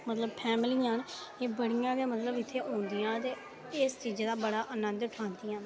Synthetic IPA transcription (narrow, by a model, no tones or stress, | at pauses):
mət̪ləbpʰɛːmɪliːãːneːbəɽɪjãːɡeːmət̪ləbɪt̪ʰːeːɦõːnd̪ɪjãːt̪eː | ɪst͡ʃiːd͡ʒd̪aːbəɽaːʔənə̃nd̪ʊʈʰaːnd̪iːãː